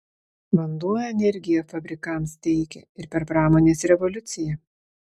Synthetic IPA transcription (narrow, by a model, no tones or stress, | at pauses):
ʋɐnd̪uɔjɛɛnʲɛɾʲɡʲɪjofɐbʲɾʲɪkɐmst̪ʲɛɪkʲɛ̰ɪɾpʲɛɾpɾɑːmoːnʲeːsɾʲɛʋɔlʲʊt̪sʲɪjɛ